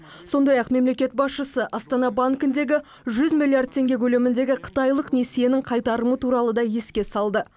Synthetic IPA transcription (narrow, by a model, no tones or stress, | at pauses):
so̞nd̪ɑjɑqme̞mle̞kʲe̞t̪̚bɑsʃəsəʔɑst̪ɑnɑbaŋkʲɪnd̪e̞ɡʲɪ | ʒʏzmʲilʲˠːiard̪̚t̪ʰːe̞ŋɡʲekʲʰɵle̞mɪnd̪e̞ɡʲɪqʰə̥t̪ɑjlˠəqnesije̞nɪŋqʰɑjt̪ɑɾəmət̪ʰuɾɑlˠəd̪ɑje̞skʲe̞sɑlˠd̪ə